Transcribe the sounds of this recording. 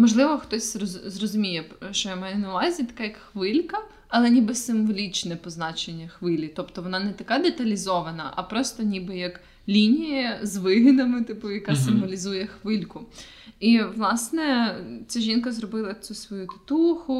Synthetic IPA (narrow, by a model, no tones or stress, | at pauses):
mɔʒlˠɪʋɔxt̪ɔsʲrɔzrɔzʊmʲijɛʃt͡ʃɔjamɑjɛnɐʊʋɑzʲit̪ɐ̥kajɐkxʋɪlʲkɐ | ɐlˠɛnʲibɪsɪmʋɔlʲit͡ʃnɛpɔznɑt͡ʃenʲːɐxʋɪlʲit̪ɔpt̪ɔʋɔnɑnɛt̪ɐkɑd̪et̪ɐlʲizɔʋɐnɐ̰ʔɐpɾɔst̪ɔnʲibɪjɐk | lʲinʲijɐzʋɪɦɪnɐmɪt̪ɪpʊjɐkɑsɪmʋɔlʲizujɛxʋɪlʲkʊ | iʋlˠɑsnɛt͡sʲaʒʲinkɐzrɔbɪlˠɐt͡sʲusʋɔjut̪ɪ̥t̪uxʊ